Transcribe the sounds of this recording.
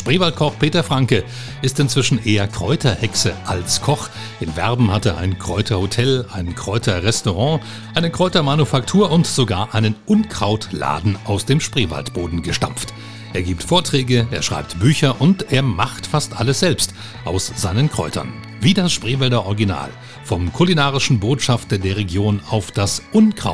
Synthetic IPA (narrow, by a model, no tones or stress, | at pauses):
ʃpʁ̥eːvalt̚kʰɔχpʰeːtɐfʁ̥aŋkə | ɪstɪnt͡sv̥ɪʃn̩ʔeːɐkʁ̥ɔʏtʰɐhɛksəʔalskʰɔχ | ʔɪnvɛ̰ʁbm̩hateːɐʔa̰ɪnkʁ̥ɔʏtʰɐhotʰɛlʔaɪnkʁ̥ɔʏtʰɐʁɛstoʁɑ̃ː | ʔaɪnəkʁ̥ɔʏtɐmanufaktʰuːɐʊntz̥oɡa̰ːɐʔaɪnənʔʊnkʁ̥aʊtla̰ːdn̩ʔaʊsd̥eːmʃpʁ̥eːva̰ltb̥oːdn̩ɡəʃta̰mft | ʔeːɐɡiːp̚tfoːɐtʁ̥ɛːɡəʔeːɐʃʁ̥a̰ɪp̚tb̥yːçɐʔʊnteːɐmaχtfastʔaləsz̥ɛlpst | ʔaʊsz̥aɪnənkʁ̥ɔ̰ʏtʰɐ̰n | viːdasʃpʁ̥eːvɛldɐʔɔʁɡina̰ːl | fɔmkʰulinaːʁɪʃn̩boːtʃaftɐdeːɐʁ̞eɡjoːnaʊfd̥asʔʊnkʁ̥a̰